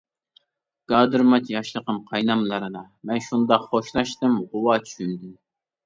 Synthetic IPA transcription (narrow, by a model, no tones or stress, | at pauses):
ɡ̥ɑːd̪ɨɾmɑt͡ʃjɑʃlˠəqəmqʰɑjnɑmlˠɑɾɨd̪ɑ | mɛnʃund̪ɑqχoʃlˠɑʃt̪ɨmʁʊwɑt͡ʃʰy̥ʃynd̪yn